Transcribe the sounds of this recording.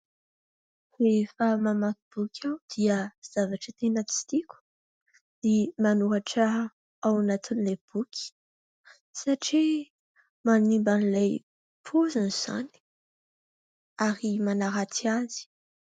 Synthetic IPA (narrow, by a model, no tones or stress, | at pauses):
refamamakib̥ukʲʰawd̪̥iəz̥avaʈ͡ʂət̪enət͡si̥t̪ikʲu̥ | d̪̥imanuɦaʈ͡ʂa | awanat̪ʰunileb̥ukʲʰi̥ | saʈ͡ʂi | manimbanilaj | pʰozanz̥a̰ni̥ | aɾimanaɾat͡s̪iazi̥